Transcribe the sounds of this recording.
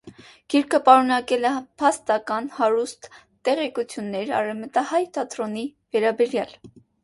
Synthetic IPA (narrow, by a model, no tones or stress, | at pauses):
ɡ̥iɾkʰəpɑɾunɑkɛlɛpʰɑst̪ɑkɑnhɑɾust̪ː | ɛʁɛkut͡sʰjunːɛɾɑ̰rɛvmət̪ɑhɑjt̪ɑt̪ɾɔni | vɛɾɑbɛɾjɑl